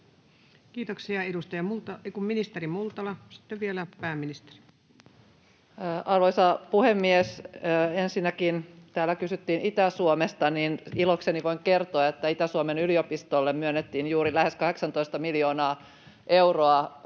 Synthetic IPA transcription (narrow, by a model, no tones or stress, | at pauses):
kiːt̪oksiɑedust̪ɑjɑmult̪ɑkumminist̪erimult̪ɑlɑsi̥t̪ːeʋʋielæpæːmːinist̪e̥ri̥ | ʔɑrʋoisɑpuhemːiesensinːækint̪æːlːækysyt̪ːiːnit̪æsuomest̪ɑninilokseniʋo̞iŋke̞rt̪oɑet̪ːæit̪æsuomenyliopist̪olːemmyønːet̪ːiːnjuːɾilæhe̞skɑhe̞ksɑnt̪oist̪ɑmiljo̞ːnɑː | ʔe̞wroɑ